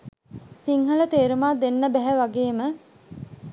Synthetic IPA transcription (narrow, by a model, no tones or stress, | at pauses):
siŋɦələt̪eːɾumaːd̪enːəbɛɦæʋaɡeːmə